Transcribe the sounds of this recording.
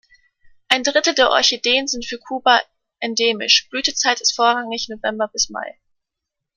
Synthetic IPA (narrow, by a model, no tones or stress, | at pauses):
ʔaɪndʁɪtl̩deːɐʔɔ̰ɐçedeːənzɪntfyːɐkʰuːba | ʔɛndeːmɪ̰ʃb̥lyːtət͡saɪtɪstfoːɐʁaŋɪçnovɛmbɐbɪsma̰ɪ